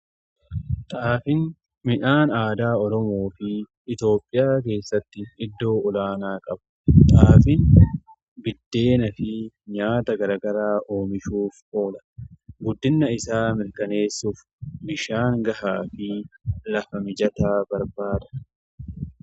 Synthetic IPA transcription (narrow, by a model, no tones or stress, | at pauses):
t̪ʼaːfɪn | mɪᶑaːnaːd̪aːɔɾɔmo̞ːfɪ | ɪt̪jo̞ːpʼːɪjaːk̬e̞ːsːɐt̪ːɪɪd̪ːo̞ːʊlaːnaːkʼɐbɐt̪ʼaːfɪn | bɪd̪ːe̞ːnɐfɪ | ɲaːt̪ɐɡɐɾɐɡɐɾaːʔo̞ːmɪʃuːfʔo̞ːlɐ̥ɡʊd̪ːɪnːɐɪsaːmɪɾkɐne̞ːsːuːf | mɪʃaːŋɡɐhaːfɪlɐfɐmɪd͡ʒɐt̪aːbɐɾbaːd̪ɐ̥